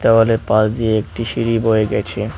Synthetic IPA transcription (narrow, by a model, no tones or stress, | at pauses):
t̪aɦolepãsd̪ieek̚ʈiʃiɾiboeɡɛt͡ɕʰe